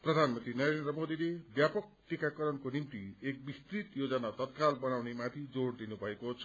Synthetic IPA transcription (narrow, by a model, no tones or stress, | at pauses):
prʌd̪ʱanmʌnt̪rinʌɾend̪ɾrʌmod̪ilebjapʌk̚ʈikakʌɾʌnkonimt̪iek̚bist̪rit̪jod͡zʌnat̪ʌt̪̚kalbʌnawnemat̪ʰid͡zoɽd̪inubʱʌekot͡sʰʌ